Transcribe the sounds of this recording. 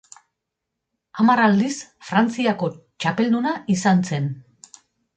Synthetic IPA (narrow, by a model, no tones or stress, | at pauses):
amarald̪isfɾant͡siako̞t͡ʃape̞ld̪unaʔisanse̞n